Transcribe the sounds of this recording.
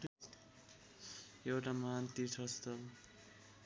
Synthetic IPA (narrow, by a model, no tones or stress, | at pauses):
jewʈamant̪iʈʰʌst̪ʌ